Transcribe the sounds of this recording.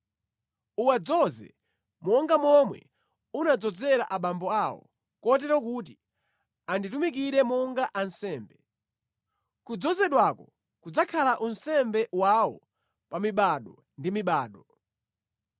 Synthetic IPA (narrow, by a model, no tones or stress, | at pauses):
uwad͡zɔzɛ̰ | mɔŋɡamɔmwɛ̰ | unad͡zɔd͡zɛɾa̰ʔaɓambɔawɔ̰ | kɔt̬ɛɾɔkut̬i | anditumik̬iɾɛmɔŋɡaʔansɛːmbɛ | kud͡zɔzɛɗwakɔ | kud͡zakʰalaʔunsɛmbɛwawɔ | pamiɓaɗɔ | ndimiɓaːɗɔ